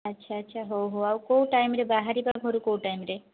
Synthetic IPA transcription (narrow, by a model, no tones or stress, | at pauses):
ɐtːɕʰaɐtːʃʰaɦowɦoawkowʈajmɾebaɦaɾibaɡʱoɾukowʈajmɾe